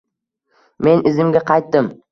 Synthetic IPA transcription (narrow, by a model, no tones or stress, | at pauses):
me̞nɪzɪmɡʲaqʰɑjt̪̚ːɪm